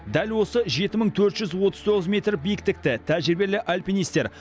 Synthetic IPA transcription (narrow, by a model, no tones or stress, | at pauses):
d̪ælwo̞səʒe̞t̪ɪməɴt̪ʰɵɾt̪ʒ̥ʏzwot̪əz̥t̪ʰo̞ʁəzmʲe̞t̪ɾbijɪkt̪ɪk̚t̪ɪt̪ʰæʒɪɾbe̞lɪʔalʲpinijst̪e̞ɾ